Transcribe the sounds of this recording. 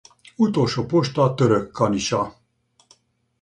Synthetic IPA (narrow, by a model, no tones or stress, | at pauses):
ut̪oʃopoʃt̪at̪əɾəkːɑniɕa